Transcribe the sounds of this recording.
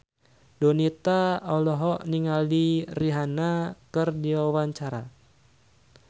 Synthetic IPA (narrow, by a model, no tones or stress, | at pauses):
dɔnit̪aɔlɔɦɔʔniŋaldiriɦanakɨrdiwawaɲt͡ʃaɾa